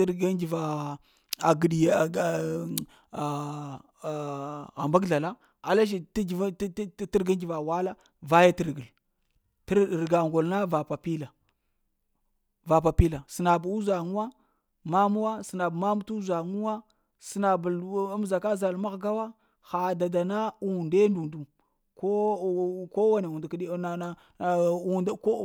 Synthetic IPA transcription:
ɾɡa˦d͡ʒi˨va˨ | a˨ɡi˨ɗi˨ | ɣa˨mba˦ɡɮa˨la˦ | a˨la˦ʃ̬i˨tɡi˨vti˦ɾɡa˦nd͡ʒi˨va˨wa˦la˦ | va˦ja˦ti˦ɾɡə˨l | tɾɡa˨ŋɡo˨lna˦va˨pa˨pi˦la˨ | va˨p̬a˨pi˦la˨si˨na˨bu˦za˨ŋu˦wa˦ | ma˦mu˦wa˦si˨na˨bma˦m˦tu˦za˨ŋu˦wa˦ | si˨na˨bm˦za˨ka˦za˨lma˦ɣɡa˦wa˦ | xa˨da˨da˨na˦u˨nde˦ndu˨ndu˨ | ko˦ | ko˦wa˦ne˨u˨ndki˦˨ | u˨ndko˦

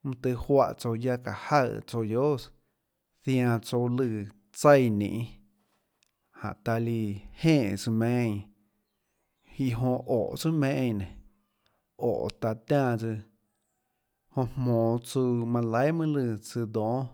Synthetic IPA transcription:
mũ˧t̪ɨ˧hwa˧ʔt͡so˧ja˦˧ka̰˧˨ha˦˧˨t͡so˧jjo˦s | θj̃ã˧t͡so˧lɨ˧˨ | t͡sə˦˧jnḭ̃ː˧˨ʔ | hã̰˨ʔt̪a˧li˧hẽː˦˧˨ʔt͡sɨ˧mẽ˧˦˧ | i˧ɦõ˧ʔo˨ʔt͡sɨ˦mẽ˧˦˧nẽ˨ | o̰˨t̪a˧t̪ãː˦˧˨t͡sɨ˧ | hõ˧mmõː˨t͡su˧mã˧la˨˦jmɨ̃˦lɨ˧t͡sɨ˧d̪õː˨˦

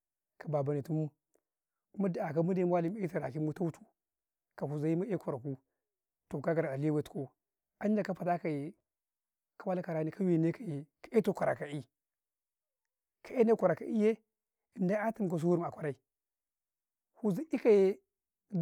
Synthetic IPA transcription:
ka˨ba˨ba˨ni˨tu˦mu˦ | ma˦da˨a˨ka˦mu˦de˦m˦a˦li˦m˦e˦ta˨ɾa˨ki˦mu˦ta˦u˦tʰu˦ | ka˨hu˨za˨ji˦mu˦e˦kʷa˨ɾa˨ku˦ | to˨ka˦ɡa˨ɾa˨a˨li˦a˦we˦˨tu̥˨ko˦ | a˦n˦da˨ka˦pa˨ta˦ka˨je˨ | ka˦wa˦la˦ka˨ɾa˦ni˦ka˦wi˦˨ne˦ka˨ji˨ka˨e˦to˦kʷa˨ɾa˨ka˨i˦ | kʰa˨e˦ne˦kʷa˨ɾa˨ka˨ʔi˦je˦ | i˨nda˦a˦ti˦m˨ka˨s̬u˦wu˦ɾm˨a˨kʷa˨ɾa˦i˨ | hu˨za˨i˦ka˦je˦

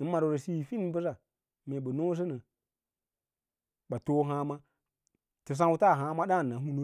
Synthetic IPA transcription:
i˨˦ma˨ɾu˨ɾə˨si˦˨fi˦n˦bə˦s̬a˨ | me˨ɓə˨no˦s̬ə˦nə˨ | ɓa˨to˦ɦa˦ma˦ | tə˨s̬ã˦wu˦ta˦˨ɦa˦ma˦ɗa˦˨nːa˨˦ɦu˦nu˦

